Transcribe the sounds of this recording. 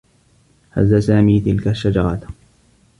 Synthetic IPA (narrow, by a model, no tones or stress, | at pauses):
ha̰zːasaːmiːt̪ɪlkaʃːad͡ʒɑɾˤɑt̪